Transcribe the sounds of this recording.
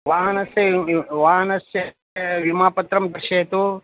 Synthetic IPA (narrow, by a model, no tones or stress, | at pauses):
ʋaːɦɐnɐsjɐʋaːɦɐnɐsjɐ | ʋimaːpɐt̪ɾɐmd̪ɐɾʃeːt̪u